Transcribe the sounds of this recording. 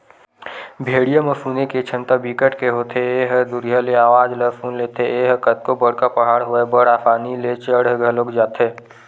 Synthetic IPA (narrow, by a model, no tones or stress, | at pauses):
bʱeːɽijaməfʰuːneket͡ʃʰə̃nt̪abikəʈkeɦoːt̪ʰeeːɦd̪ʊɾjaleaːʋaːd͡ʒlepʰuːnleːt̪ʰeeːɦkət̪̚kobəɽ̤kapəɦaːɽɦʊebəɽaːfʰaːnilet͡ʃəɽɡʱəloːkd͡ʒaːt̪eː